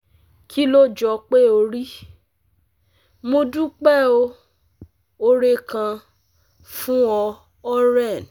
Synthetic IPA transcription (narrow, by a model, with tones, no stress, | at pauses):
kʰi˦lo˦d͡ʒɔ˨k͡pe˦o˧ɾi˦ | mo˧du˦k͡pɛ˦˨o˧˦ | o˧ɾe˧kã˧ | fũ˦ɔ˧ | ɔ˦ɾɛ˦˨n˨